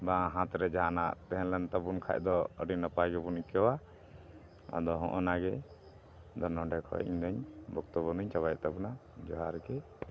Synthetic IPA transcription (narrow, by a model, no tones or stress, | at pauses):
bãɦãt̪ɾɛd͡ʒaɦana̰ʔt̪ɛɦɛnlɛnt̪abunkʰa̰ʔ̚d̪ɔə̰ɖinapajɡɛbunikɛwa | a̰d̪ɔɦɔ̰̃ʔɔnaɡɛ | d̪ɔnɔ̃ɖɛkʰɔ̰ɛ̰ʔɲd̪əɲbɔkt̪ɔbɔnuɲt͡ʃabajʔt̪abunad͡ʒɔɦaɾɡɛ